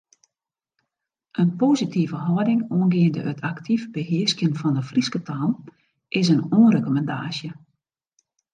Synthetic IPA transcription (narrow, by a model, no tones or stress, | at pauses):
ʔənpoːzitʰivəɦɔjdɪŋoənɡɪəndə̰ʔətʰaktʰifbəhɪəskjənfɔndəfriskətʰaːn | ʔɪs̬ənoənrekomɛnda̰ːsjə